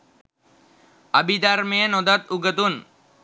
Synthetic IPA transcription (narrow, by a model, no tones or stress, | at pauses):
abid̪aɾmeenod̪at̪uɡət̪un